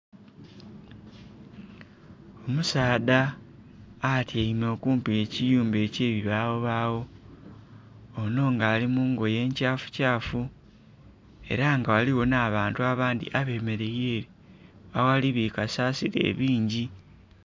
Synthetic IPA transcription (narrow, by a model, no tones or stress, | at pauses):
o̞musaːdaː | tiaimo̞kuːmpiecijuːmbe̞ːce̞ːβiβaːwoβaːwo̞ | no̞ːŋɡaːlimuːŋɡo̞je̞ːɲcaːfu̥caːfu | e̞̰ɾaŋɡawaliwo̞naːβaːntuaβaːnd̪ḭʔaβe̞ːme̞ɾe̞jeːɾi | awaliβikasaːsiɾe̞̰ːβiːɲɟi